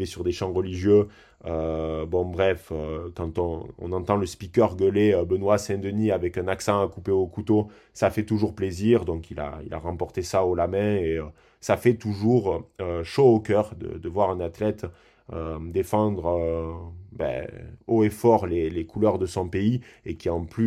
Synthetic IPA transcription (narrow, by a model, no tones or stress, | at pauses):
esyʁd̪eʃɑ̃ʁəliʒjø | øbɔ̃bʁɛføkɑ̃t̪ɔ̃ɔ̰̃nɑ̃t̪ɑ̃ləspikʲœʁɡəleøbənwasɛ̃d̪əniavɛkɛ̃naksɑ̃akupeokut̪o | safɛt̪uʒuʁpleziʁd̪ɔ̃kila̰ḭlʔa̰ʁɑ̃pɔʁt̪esaolamɛ̃eø | safɛt̪uʒuʁøʃoːkœʁd̪ə̰d̪əvwaʁɛ̃nat̪lɛt̪ | ød̪efɑ̃d̪ʁø | bɛ̰oefɔʁlelekulœʁd̪əsɔ̃peiekʲiɑ̃ply